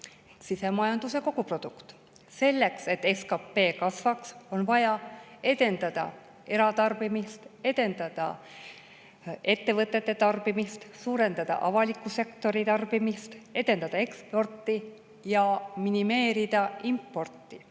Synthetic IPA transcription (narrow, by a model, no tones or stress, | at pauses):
sise̞mɑjɑnd̪use̞ko̞ɡ̥upro̞d̪̥ukt̪ | se̞lːe̞kse̞t̪ːe̞skɑpːe̞ːkɑsvɑkso̞nvɑjɑe̞d̪e̞nd̪ɑd̪̥ɑ̰ | e̞ɾɑt̪ɑrbimist̪e̞d̪̥e̞nd̪̥ɑd̪̥ɑ̰ | e̞t̪ːe̞vɤt̪ːˑe̞t̪ːe̞t̪ɑrb̥imist̪suːɾe̞nd̪ɑd̪ɑ̰ʔɑvɑlikːˑuse̞kt̪o̞ɾit̪ɑrb̥imist̪e̞d̪e̞nd̪ɑd̪ɑe̞kspo̞rt̪ːˑi | jɑminime̞ːɾid̪̥ɑimpːo̞rt̪ːˑi